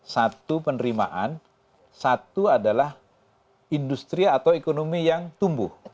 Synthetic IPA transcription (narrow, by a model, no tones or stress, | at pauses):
sat̪upənəɾima̰ʔan | sat̪uadalah | indust̪ɾiat̪awekonomijaŋt̪umbʊh